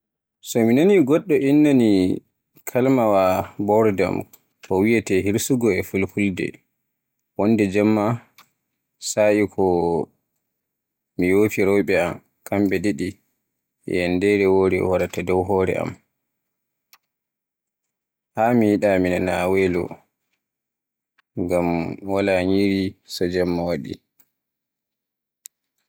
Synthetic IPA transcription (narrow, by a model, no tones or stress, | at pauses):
sɔminaniɡɔɗːɔʔinːani | kʰalmawabɔɾda̰m | kʰɔwijatɛɦiɾsuɡɔɛfulpuldɛ̰ | wɔndɛd͡ʒɛmːa | saʔikʰɔ | mijoːfiɾɔjɓɛam | kʰamɓɛɗeɗi | jɛ̰ndɛɾɛwoɾɛ̰waɾatadɔwɦɔːɾɛ̰ʔa̰m | haːmijiɗaminanawɛːlɔ̰ | ŋɡamwalaɲiɾisɔd͡ʒamːawaɗḭ